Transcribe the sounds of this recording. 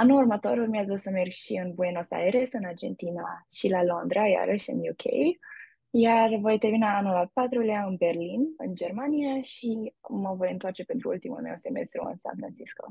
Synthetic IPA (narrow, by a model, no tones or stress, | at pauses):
anuurmət̪o̞ɾurmiazəsəmerɡʃiɨnbuenosa̰eɾesɨnard͡ʒe̞̰nt̪inaʃilalond̪ɾaja̰ɾʔəʃɨ̰njukʰḛj | jarvo̞jt̪evinaːnulapat̪ɾuljaɨnbe̞rlinɨ̰nd͡ʒe̞rmaniaʃiməvo̞jɨnt̪oart͡ʃe̞pent̪ɾuṵlt̪imṵlme̞̰wse̞me̞̰st̪ɾṵɨ̰nsa̰nfɾa̰nsisko̰